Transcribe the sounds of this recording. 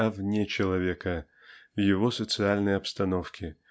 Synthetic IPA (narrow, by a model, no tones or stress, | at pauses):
ɐvnʲet͡ɕɪlˠɐvʲekə | vjɪvosət̪sɨalʲnəjɐpst̪ɐnofkʲɪ